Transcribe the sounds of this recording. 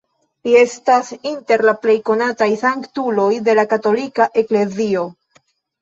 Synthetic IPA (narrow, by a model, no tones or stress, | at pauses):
lie̞stasinte̞ɾlaple̞jko̞natajsaŋktulo̞jde̞lakato̞likaʔe̞kle̞zio̞